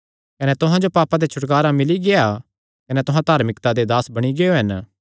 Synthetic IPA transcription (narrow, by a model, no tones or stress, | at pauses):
kɐnɛt̪ʊɦãd͡ʒopaːpad̪et͡ʃʰʊʈkaːɾamɪliɡea | kɐnɛt̪ʊɦãt̪aːɾmɪkt̪ad̪ed̪aːsbɐɽ̃iɡeoɦɐn